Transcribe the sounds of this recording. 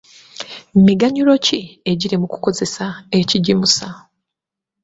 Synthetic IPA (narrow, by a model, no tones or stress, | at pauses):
mmiɡaɲulo̞cie̞ɟiɾemuku̥ko̞ze̞saeciɟimusa